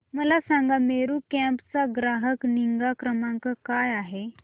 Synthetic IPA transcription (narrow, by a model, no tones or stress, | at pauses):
məlasãŋɡameɾuːkɛ̃mpt͡saɡɾaɦəkniŋɡakɾəmaŋkakajaɦe